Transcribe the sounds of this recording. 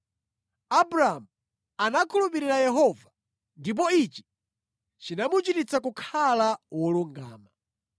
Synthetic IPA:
abuɾaamu | anakʰulupiɾiɾajɛɦɔva | ndip̬ɔit͡ʃi̥ | t͡ʃinamut͡ʃitit͡sakukʰalawɔluŋɡa̰ːma

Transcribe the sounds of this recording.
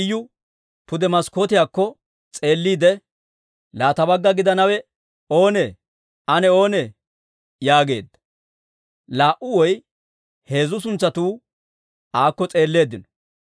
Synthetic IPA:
jːʊ | pʊd̪ɛmɐskoːt̪ɪjaːkːɔ | t͡sʼe̞ːlːiːd̪ɛ | laːt̪ɐbɐɡːɐɡɪd̪ɐnɐwɛ | o̞ːnɛ | ɐnɛo̞ːnɛ | jaːɡe̞̰ːd̪ːɐ̥ | laːʔʊwɔj | he̞ːzʊs̬ʊnt͡sːɐt̪uː | aːkːɔt͡sʼe̞ːlːe̞ːd̪ːɪnɔ̥

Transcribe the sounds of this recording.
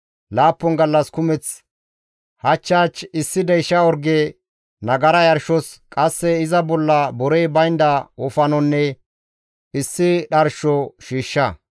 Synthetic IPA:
laːpːɔnɡɐlːɐskʊmɛt͡s | hɐt͡ʃːaːt͡ʃɪsːɪd̪ɛjʃɐɔɾɡe | nɐɡɐɾɐjɐɾʃɔskʼɐsːɛɪzɐbɔlːɐbɔɾɛjbɐjnd̪ɐʔɔfɐnɔnːɛ | ɪsːɪɗɐɾʃɔʃiːʃːɐ

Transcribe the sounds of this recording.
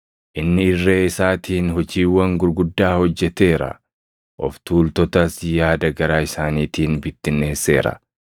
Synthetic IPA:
ʔɪnːɪɪrːeːɪsaːt̪ʰiːnɦɔd͡ʒiːwːɐŋɡʊɾɡʊd̪ːaːhɔd͡ʒːɛt̪e̞ːɾɐ̰ | ʔɔ̰ft̪uːlt̪ɔt̪ɐsjaːd̪ɐɡɐɾaːɪsaːniːt̪iːnbɪt̪ːɪnːe̞ːsːe̞ːɾɐ̰

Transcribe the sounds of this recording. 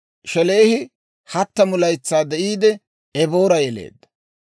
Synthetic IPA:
ʃɛleːhɪ | hɐt̪ːɐmʊlɐjt͡sːaːd̪ɛʔiːd̪ɛ | ɛboːɾɐjɛlḛːd̪ːɐ̥

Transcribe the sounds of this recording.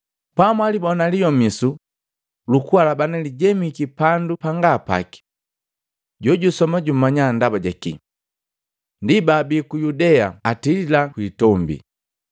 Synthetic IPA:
pamwalibɔnalijɔmisu | lukualabanaliɟɛmikipandupaŋɡapa̰ki̥ | ɟɔɟusɔmaɟum̩mːaɲandabaɟakḭ | ndibabikujudɛaatililakwiːtɔmbḭ

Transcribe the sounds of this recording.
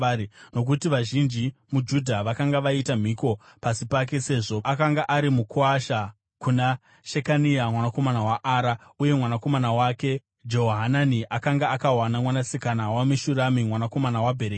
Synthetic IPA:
no̞k̬utiʋaʒind͡ʒimud͡ʒudʱaʋakaŋɡaʋaitam̤iko̞pasipak̬e̞se̞ːʐo̞akaŋɡaʔaɾimukuaʃa | kuna | ʃekaniamwanako̞manawaʔaːɾauje̞mwanako̞manawake̞ | d͡ʒo̞ɦoɦananiʔakaŋɡaakawanamwanasikanawamiʃuɾamimwanako̞manawabʱe̞ɾeːk

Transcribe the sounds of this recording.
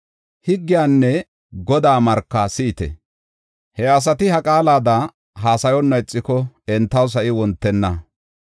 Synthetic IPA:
hɪɡːɪjaːnːɛ | ɡɔd̪aːmɐɾkːɐsɪʔɪt̪ɛ̰ | hɛɐs̬ɐt̪ɪhɐkʼaːlaːd̪a | ɦaːsɐjɔnːɐɪt͡sʼːɪkɔɛnt̪ːɐws̬ɐʔɪwɔnt̪ːɛnːɐ

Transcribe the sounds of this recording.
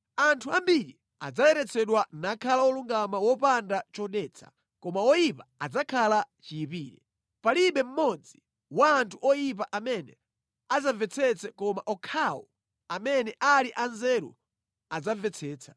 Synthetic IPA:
antʰuambiɾi | a̰d͡zajɛɾɛt͡sʰɛɗwanakʰalawɔluŋɡamawɔpandat͡ʃɔɗɛt͡sʰḁ̰ | kɔmawɔjipaad͡zakʰalat͡ʃiipiːɾɛ | paliɓɛm̩mɔd͡zi | waːntʰuɔjip̬aʔamɛnɛ̰ | azavɛt͡sʰɛt͡sɛkɔmaʔɔkʰawɔ̰ | amɛnɛʔaliʔanzɛɾṵ | ad͡zavɛt͡sʰɛːt͡sʰḁ

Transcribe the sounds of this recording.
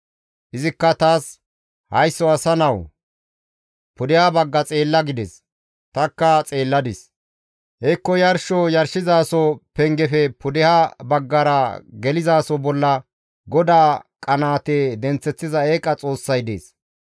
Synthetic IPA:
ʔɪzɪkːɐt̪aːs | hɐjsːɔɐsɐnɐw | pʊd̪ɪhabɐɡːɐt͡sʼe̞ːlːɐɡɪd̪ɛs | t̪ɐkːɐt͡sʼe̞ːlːɐd̪ɪs | ʔɛkːɔjɐɾʃɔjɐɾʃɪzaːsɔpɛŋɡɛfɛpʊd̪ɪhabɐɡːɐɾɐɡɛlɪzaːsɔbɔlːɐ | ɡɔd̪aːkʼɐnaːt̪ed̪ɛnt͡sːɛt͡sːɪzɐeːkʼːɐt͡sʼo̞ːsːɐjd̪eːs

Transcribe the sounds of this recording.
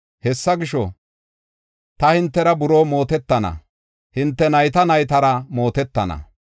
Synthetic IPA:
hɛsːɐɡɪʃɔ | t̪ɐhɪnt̪ːɛɾɐbʊɾoːmo̞ːt̪ɛt̪ːɐnɐ̰ | hɪnt̪ːɛnɐjt̪ɐnɐjt̪ɐɾɐmo̞ːt̪ɛt̪ːɐnɐ̰

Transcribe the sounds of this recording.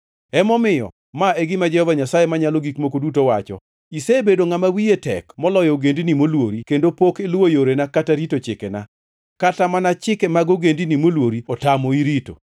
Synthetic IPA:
ɛmɔmɪjɔ̰ | maeɡɪmad͡ʒɛhɔvaɲasajemaɲaloɡikmokodutowat͡ʃɔ̰ | isebedoŋamawietɛ̰kmɔlɔjɔoɡendinimolwoɾikendopokelojoɾenakataɾitot͡ʃɪkɛna̰ | katamanat͡ʃɪkɛmaɡoɡendinimolwoɾiɔtamoiɾito̰

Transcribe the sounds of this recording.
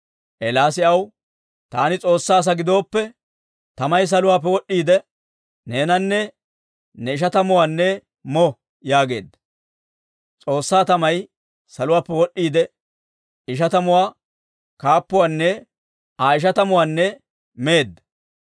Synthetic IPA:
ʔɛlaːs̬ɪɐw | t̪aːnɪt͡sʼo̞ːsːaːs̬ɐɡɪd̪o̞ːpːɛ | t̪ɐmɐjs̬ɐlʊwaːp̬ːɛwɔɗːiːd̪ɛ | neːnɐnːɛ | nɛɪʃ̬ɐt̪ɐmʊwaːnːɛ | mɔ | jaːɡe̞̰ːd̪ːɐ̥ | t͡sʼo̞ːsːaːt̪ɐmɐj | sɐlʊwaːpːɛwɔɗːiːd̪ɛ | ɪʃ̬ɐt̪ɐmʊwaː | kaːpːʊwaːnːɛ | aːɪʃ̬ɐt̪ɐmʊwaːnːɛ | meːd̪ːɐ

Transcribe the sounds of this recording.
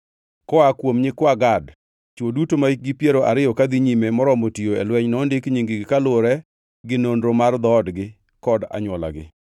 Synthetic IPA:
kɔakwomɲɪkwaɡad | t͡ʃwodutomaɡɪpjeɾoʔaɾɪjɔkad̪iɲimemɔɾɔmotijoɛ̰lwɛɲnɔndɪkɲiŋɡiɡɪkalʊɾɛ | ɡɪnondɾomard̪ɔːdɡɪ | kɔda̰ɲwɔla̰ɡɪ̰

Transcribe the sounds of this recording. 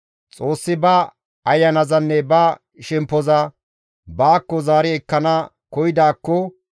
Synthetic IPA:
t͡sʼo̞ːsːɪbɐ | ɐjːɐnɐzɐnːɛbɐ | ʃɛmpːɔzɐ | baːkːɔzaːɾɪɛkːɐnɐ | kɔjɪd̪aːkːɔ

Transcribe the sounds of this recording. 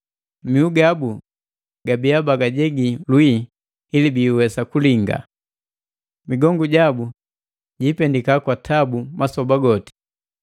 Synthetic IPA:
miuɡabu | ɡ̥abiabaɡaɟɛɡilwiː | libiwɛsakuliŋɡa̰ | miɡɔŋɡuɟabu | ɟipɛndikakwatʰabumasɔbaɡɔti̥

